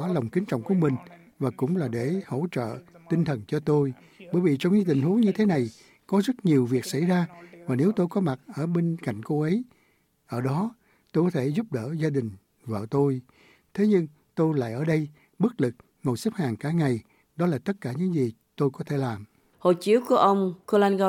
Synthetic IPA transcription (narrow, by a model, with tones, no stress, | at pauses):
ɔ˨˦lwŋ͡mkï˨˦ŋt͡ɕɔ̰˧˨wŋ͡mku˧˩əmï˨˩ŋ̟ | vaː˨˩kʊ̰˧˥ŋ͡mlaː˨˩ɗe˧˩ho̰˧˥t͡ɕə̰ː˧˨t̪ï˧ŋt̪ʰə˨˩nt͡ɕɔ˧t̪o˧j | ɓəː˧˩jvi˨˩t͡ɕɔ˧wŋ͡mɲɨː˧t̪ï˨˩ŋ̟hu˨˦ŋɲɨ˧t̪ʰe˨˦na˨˩j | kɔ˨˦zə˦˥t̚ɲi˨˩əwvi˨˩ək̚sa̰˧˩jzaː˧vaː˨˩ne˨˦wt̪o˧jkɔ˨˦ma˨˩t̚ʔəː˧˩ɓe˧nka̰˧˨jŋ̟ko˧ʔə˨˦j | ʔəː˧˩ɗɔ˨˦ | t̪o˧jkɔ˨˦t̪ʰe˧˩zʊ˦˥p̚ɗəː˧˩zaː˧ɗï˨˩ŋ̟ | vəː˧˨˩t̪o˧j | t̪ʰe˨˦ɲɨ˧ŋ | t̪o˧jla̰ː˧˨jʔəː˧˩ɗə˧j | ɓɨ˦˥k̚lɨ˨˩k̚ | ŋo˨˩jsə˦˥p̚haː˨˩ŋkaː˧˩ŋa˨˩j | ɗɔ˨˦laː˨˩t̪ə˦˥t̚kaː˧˩ɲɨ̰˧˥ŋzi˨˩ | t̪o˧jkɔ˨˦t̪ʰe˧˩laː˨˩m | ho̰˧˨t͡ɕi˨˦əwku˧˩əʔə˧wŋ͡mko˧laː˧nɣɔ˧